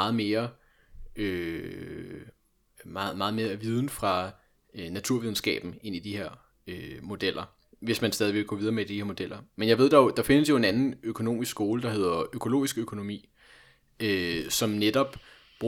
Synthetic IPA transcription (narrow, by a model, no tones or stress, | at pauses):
ɑːð̩ˠme̝ːɐ | ø | mːð̩ˠmɑ̈ːð̞̩ˠme̝ːɐæʋið̞ˠn̩fʁɑ̈ | næt͡sʰuɐ̰ʋiðˠn̩sɡ̥ɛ̰ːb̥n̩e̝n̰id̥ihe̝ɐ̰ | ømo̝d̥el̰ʔɐ | ʋe̝smænsd̥ɛːðˠiʋe̝ɡ̥ɔ̰ʋið̞ˠɐmed̥iheɐ̰mo̝d̥el̰ɐmenjɑ̈ɪʋe̝ð̞̰ˠd̥ɑ̈od̥ɑ̈fe̝nəsjo̝e̝nænn̩økʰo̝no̝̰ːmisɡ̥sɡ̥o̝ːləd̥ɑ̈ɦe̝ð̞̰ˠɐʔøkʰo̝lo̝̰ːisɡ̥økʰo̝no̝mḭː | øsɒ̽mned̥ɒ̽b̥ | b̥